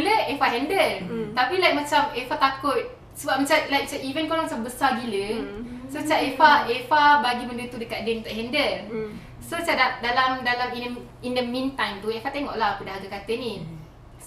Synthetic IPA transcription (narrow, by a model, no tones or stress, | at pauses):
uləefaɦɛndəlt̪apilajk̚mat͡ʃamefat̪akʊt̪̚ | səbap̚mat͡ʃamlajk̚t͡ʃaʔivənkolɔŋmat͡ʃambəsabiləsot͡ʃaʔefaefabaɡiməndət̪udəkaʔ̪̚dɛnt̪aʔɦɛndəl | sot͡ʃadaʔ̚dalamdalamin | indəmĩnt̪ãjmt̪uefat̪eŋɔʔlaɦakudaɦaɡakat̪əni